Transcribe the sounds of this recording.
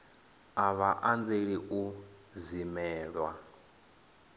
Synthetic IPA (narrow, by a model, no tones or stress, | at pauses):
aβaʔand͡zeɺiʔuzimɛːɺwa